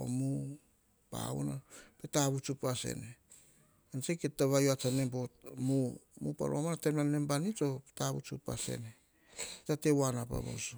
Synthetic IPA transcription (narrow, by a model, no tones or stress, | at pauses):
o̰mu | pa̰o̰napetaβut͡ʃupasḛne | anseketːaβajoat͡ʃane̞mpot̚mumupa̰ɾomanatemlanːe̞mbanit͡ʃo̞petaβut͡ʃupa̰se̞̰ne | tate̞wanapa̰βa̰su